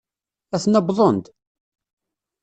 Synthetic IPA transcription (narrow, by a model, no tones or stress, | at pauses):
æθnɑbðˤond̪